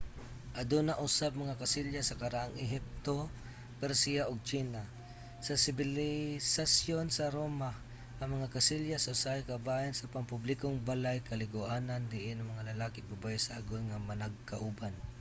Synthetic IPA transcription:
ʔɐd̪unaʔusab̚mɐŋakasɪljasɐkɐɾaʔaŋɪɦɪp̚t̪o | pɛɾsiaʔoɡ̚t͡ʃina | sɐsɪbɪlɪsasjonsɐɾoma | ʔɐŋmɐŋakasɪljasɐʊsajkabajansɐpaŋpublɪkoŋbalajkɐlɪɡʊʔaːnand̪ɪʔɪnɐŋmɐŋalɐlaːkɪbubajsaʔaɡojŋamɐnaɡ̚kaʔuban

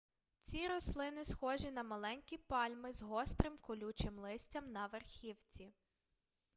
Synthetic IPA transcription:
t͡sʲiɾɔslˠɪnɪsxɔʒinɐmɐlˠɛnʲkʲipɑlʲmɪzɦɔst̪ɾɪmkɔlʲut͡ʃɪmlˠɪsʲtʲɐmnɐʋerxʲiwt͡sʲi

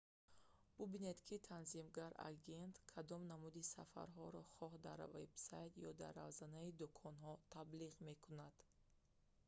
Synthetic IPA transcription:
b̥ubine̞d̪kʰit̪ʰanzimɡaɾa̰ɡe̞nt̪kʰad̪ɔmnamud̪isafa̰ɾɦɔɾɔχɔɦd̪a̰ɾvebsajt̪jɔd̪a̰ɾːa̰vzanaid̪ukʰɔnɦɔt̪ʰabliʁme̞kʰunad̪̥

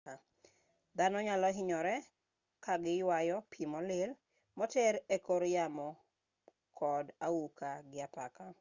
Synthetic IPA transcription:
a | d̪anɔɲalɔɦɪɲɔɾɛ | kaɡɪjwajɔpʰimɔlɪl | mɔtɛɾekoɾjamɔ | kʰɔdaukaɡɪapaka

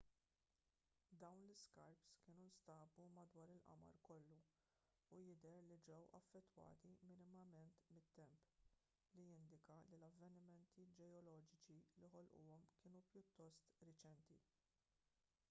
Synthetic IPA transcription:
d̪ɐwnlɪskɐɾpskɪːnunst̪ɐːbumɐd̪wɐːɾɪlʔɐ̰mɐ̰ɾkɔlːuː | jɪd̪ɛɾlid͡ʒɛwʔɐ̰fːɛt̪ːwɐ̰ːt̪imɪnɪmɐmɛnt̪mɪt̪ːɛmp | lijɪnd̪ɪkɐlilɐvːɛnɪmɛnt̪id͡ʒɛɔlɔːd͡ʒɪt͡ʃiliħɔlʔuʊ̰ːɔmkɪːnupjʊt̪ːɔst̪ɾɪt͡ʃɛnt̪ḭ

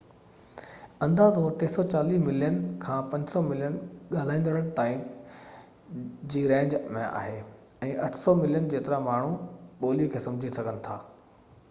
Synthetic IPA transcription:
ɐ̃nd̪aːzoːɾʈ̪eːsɔt͡ɕaːliːmɪlijənkʰãːpɐ̃ɲd͡ʑsɔmɪlijənɠaːl̤aːɪ̃nd̪əɽəɽ̃ɪʈ̪aːɪm | d͡ʑiːɾɛ̃ːɲd͡ʑmẽa̰ːɦeːɛ̃ːʔɐʈʰsɔmɪlijənd͡ʑeːt̪ɪɾamaːɳ̤ũɓoːlikʰeːsɐ̃md͡ʑʱisɐɡʱənɪ̆t̪ʰaː

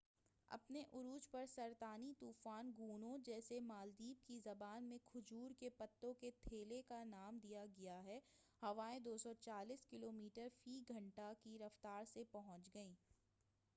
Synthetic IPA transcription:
ɐ̰pneʔʊɾuːd͡ʒpɐɾsɐɾt̪aːnit̪uːfaːnɡuːnõd͡ʒɛːsemaːld̪iːb̚kizɐbaːnmẽkʰʊd͡ʒuːɾkepɐt̪ːõket̪ʰeːlekanaːmd̪ijaɡɐjaɦɛ | hɐʋaːẽd̪oːsɔt͡ʃaːliːskɪloːmiːʈəɾfiːɡʱɐ̃ɳʈakiɾɐft̪aːɾsepɐɦʊ̃t͡ʃɡɐĩː

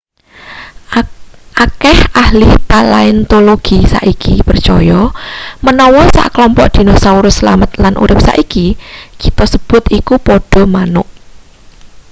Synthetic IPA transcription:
ʔakɛhahlɪht̪alaɪnt̪oloɡ̥isa̰ʔikipərt͡ʃɔjɔmənɔwɔsa̰ʔkəlɔmpɔʔd̪̥i̤nɔhsauɾʊsːəla̰mət̪lanʔṵɾɪp̚sa̰ʔikikit̪ɔsəb̥ʊt̪ikupɔɖ̥ɔ̤manʊʔ

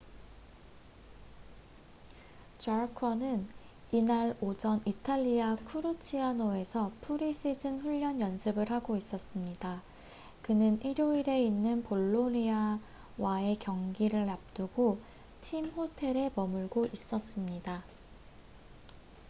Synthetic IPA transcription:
t͡ɕaɾkʰʌnɯn | inaɾod͡ʑʌnitʰaʎːiakʰuɾut͡ɕʰianoe̞sʰʌpʰuɾis͈ʰid͡ʑɯnɸuʎːʌnjʌnsʰɯbɯɾhaɡois͈ʌs͈ɯmɲida | kɯnɯniɾjoiɾe̞inːɯnpoɭːonia | wae̞kjʌŋɡiɾɯɭːap̚t͈uɡo | tʰimhotʰe̞ɾe̞mʌmuɭɡoʔis͈ʌs͈ɯmɲida

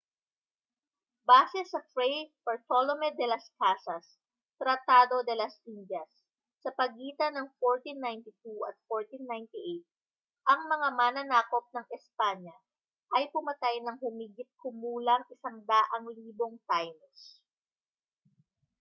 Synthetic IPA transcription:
baːsɛsɐfɾɛjpɐɹt̪olomɛd̪ɛlɐskasɐs | t̪ɾɐt̪aːd̪o̞d̪ɛlɐsʔind͡ʒɐsː | ɐpɐɡiːt̪ɐnɐŋfoɹt̪inːajnt̪it̪uʔɐt̪̚foɹt̪inːajnt̪iʔejt̪̚ | ʔɐŋmɐŋamanɐnaːko̞p̚nɐŋʔɛspaɲɐ | ʔɐjpʊmɐt̪ajnɐŋhʊmiɡɪt̪̚kʊmuːlɐŋʔɪsɐŋd̪aʔɐŋliːbo̞ŋt̪ajnɛs

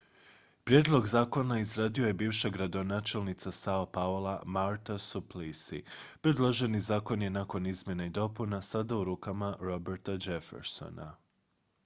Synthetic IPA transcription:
pɾʲjed̪lˠo̞ɡzaːko̞naizɾaːd̪io̞je̞biːʋʃaɡɾad̪o̞naːt͡ʃe̞lnit̪sasaopaolˠamaɾt̪asuplisḭpɾed̪lˠo̞ʒe̞nizaːko̞nje̞nako̞nizmje̞neid̪o̞punasad̪auɾuːkamaɾo̞beɾt̪ad͡ʒe̞fḛɾso̰na̰

